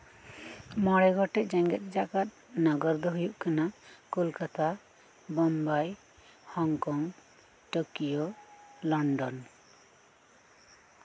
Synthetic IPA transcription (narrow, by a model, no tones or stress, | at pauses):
mɔɽɛɡʱɔʈɛʔd͡ʒɛŋɡɛt̪̚ˀd͡ʒakat̪̚nɔɡɔɾd̪ɔɦujuʔkanakolkat̪a | bɔmbaj | hɔŋkɔŋ | ʈokijolɔɳɖɔn